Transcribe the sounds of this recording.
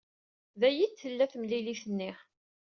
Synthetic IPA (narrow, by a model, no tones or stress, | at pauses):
ðæjid̪θəlːæθmliliθənːɪχ